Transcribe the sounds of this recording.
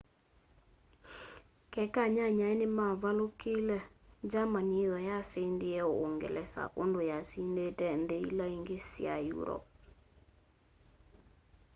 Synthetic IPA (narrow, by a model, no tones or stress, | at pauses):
kɛkaɲaɲaɛnɪmaβalokilɛd͡ʒamaniðɔjasendiɛooŋɡḛlɛsa̰ʔondojasindetɛnd̪eḭlaiŋɡesja̰jṵɾɔ̰p̚